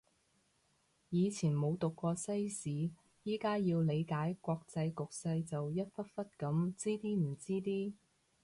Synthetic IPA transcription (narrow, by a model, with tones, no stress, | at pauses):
jiː˨˧t͡sʰiː˨˩nmo˨˧wt̪ʊ˨kːɔː˧sɐ˥jsiː˨˥ | jiː˥kaː˥jiː˧wle˨˧jkaː˨˥jkʷɔː˧k̚t͡sɐ˧jkʊ˨k̚sɐ˧jt͡sɐ˨wjɐ˥t̚fɐ˥t̚fɐ˥t̚kɐ˨˥mt͡siː˥t̪iː˥m̩˨˩t͡siː˥t̪iː˥